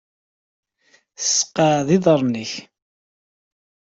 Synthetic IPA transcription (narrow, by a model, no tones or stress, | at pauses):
θə̥sːqaðiðˤəɾˤniç